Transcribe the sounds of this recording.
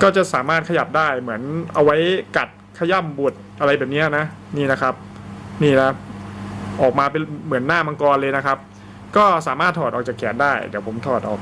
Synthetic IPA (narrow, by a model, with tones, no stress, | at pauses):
kɔː˥˩t͡ɕa˨˩saː˩˦maː˥˩t̪̚kʰa˧ja˨˩p̚daː˥˩jmɯ˩˦ənʔa˧wa˦˥jka˨˩t̪̚kʰa˧˩ja˥˩mbu˨˩ət̪̚ʔa˧ɾa˧jbɛː˨˩p̚ni˦˥ɐ˨na˦˥ | niː˥˩na˦˥kʰa˦˥p̚niː˥˩na˦˥ | ʔɔː˨˩k̚maː˧pe˧mɯ˩˦ənːaː˥˩ma˧ŋkɔː˧nlɤː˧jna˦˥kʰa˦˥p̚ | kɔː˥˩saː˩˦maː˥˩t̪ʰːɔː˨˩ɔː˨˩t͡ɕaː˨˩kʰɛː˩˦ndaː˥˩jd̪iː˨˦wpʰo˩˦mt̪ʰɔː˨˩t̪ʔɔ̰ː˨˩k̚